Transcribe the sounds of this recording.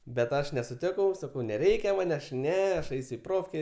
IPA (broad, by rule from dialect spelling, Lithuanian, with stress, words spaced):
bʲɛt ˈɐʃ nʲɛsʊˈtʲɪkɐʊ sɐˈkɐʊ nʲɛˈrʲɛɪkʲɛ ˈmɐn ɐʃ ˈnʲɛ ɐʃ ˈɛɪsʲ ɪ ˈproːfʲkʲeː